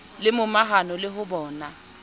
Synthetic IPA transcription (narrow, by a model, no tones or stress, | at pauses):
lɪmʊmaɦanɔlɪɦʊbɔːna